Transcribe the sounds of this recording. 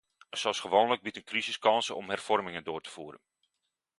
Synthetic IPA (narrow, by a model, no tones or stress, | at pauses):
sɔsχəʋoːnləɡ̚bitənkrizɪskɑnsəɔ̰mhɛrfɔrmɪŋəndoːrtə̥fuːɾə̰n